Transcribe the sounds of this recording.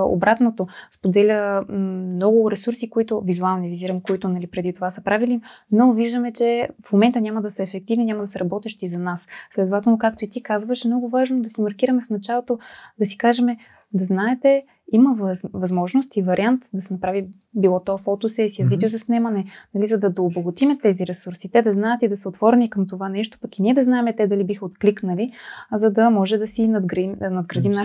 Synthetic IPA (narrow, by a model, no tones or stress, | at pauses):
o̰bɾat̪not̪ospod̪ɛlʲəmnɔɡʊɾɛsuɾsikoit̪ʊvizualˠnˠnɛviziɾəmkoit̪ʊnɐlipɾɛd̪it̪ovasəpɾavilinoviʒd̪əmɛt͡ʃɛfmomɛnt̪ənʲaməd̪ɐsəɛfɛk̚t̪ivniɲʲamɐd̪ɐsɛɾɐbɔt̪ɛʃt̪izɐnasslɛd̪ovat̪ɛlˠnokak̚t̪oit̪ikazvəʃɛmnɔɡʊvaʒnod̪ɐsimɐɾk̟iɾəmɛfnɐt͡ʃalˠot̪od̪ɐsi̥kaʒɛmɛ | d̪ɐznaɛt̪ɛ | imɐvvɐzmɔʒnost̪ivɐɾʲiant̪d̪ɐsɛnɐpɾavi | bilˠɔt̪ɔɛfɔt̪osɛsiəvid̪ɛozɐsnɛmɐnɛnɐlizɐd̪ɐd̪oːboɡʊt̪imɛt̪ɛziɾɛsuɾsit̪ɛd̪ɐznaɛət̪id̪ɐsɛot̪vɔɾɛnikəmt̪ovanɛʃt̪o̥pɐkiniɛd̪ɐznaɛmɛt̪ɛd̪ɐlibixəot̪kliknɐlizɐd̪ɐmɔʒɛd̪ɐsinɐd̪ɡimnɐd̪ɡɾɐd̪imna